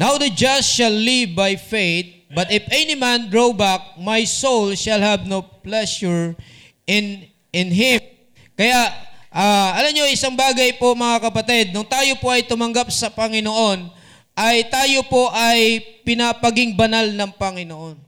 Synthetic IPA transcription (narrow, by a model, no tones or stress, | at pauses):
nawd̪ɐd͡ʒɐʃɐlːivbajfejt̪̚bɐt̪ɪfɛnɪmand̪ɹowbak̚majsowlʃɐlhɐbnowplɛʃʊɹ | ʔɪn | ɪnɦɪm | kɐjaʔʔaːʔɐlɐmɲoʔɪsaŋbaːɡɐjpo̞mɐŋakɐpɐt̪ɛd̪̚nʊŋt̪aːjo̞po̞ʔɐjt̪ʊmɐŋɡap̚sɐpɐŋɪnoʔo̞n | ʔɐjt̪aːjo̞po̞ʔɐjpɪnapɐɡɪŋbɐnalnɐŋpɐŋɪnoʔo̞n